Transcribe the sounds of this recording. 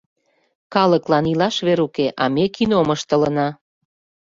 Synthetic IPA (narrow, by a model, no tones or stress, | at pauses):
kɑləklɑnilɑʃβeɾukeʔɑmekinoməʃt̪ə̆lənɑ